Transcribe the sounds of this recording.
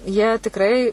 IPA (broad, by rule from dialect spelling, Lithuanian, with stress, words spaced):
jiɛ tʲɪkˈrɐɪ